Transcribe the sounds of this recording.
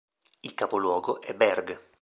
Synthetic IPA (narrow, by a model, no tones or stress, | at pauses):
ilkapolwɔːɡoʔɛbːɛrɡ